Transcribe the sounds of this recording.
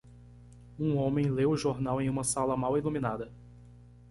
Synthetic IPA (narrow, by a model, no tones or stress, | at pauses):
ũõmẽj̃lewʊʒoɾnawẽj̃ũmɐsalɐmawilumĩnad̪ɐ